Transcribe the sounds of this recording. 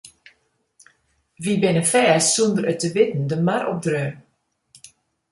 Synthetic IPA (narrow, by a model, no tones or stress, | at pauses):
ʋibɪnəfɛːsːundəɾətəʋɪtn̩dəmaɾɔ̰p̚dɾøː